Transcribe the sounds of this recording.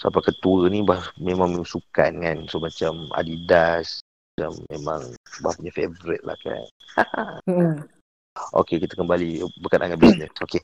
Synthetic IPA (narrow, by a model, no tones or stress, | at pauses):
sa̰pakət̪uənibahmemãŋmisuka̰nkansomat͡ʃama̰didas | at͡ʃamːemãŋbapuɲafevɾɪt̪̚la̰hka̰n | a | ʔo̰kekit̪əkəmbalibəkanʔaŋat̪̚bisnɛsoke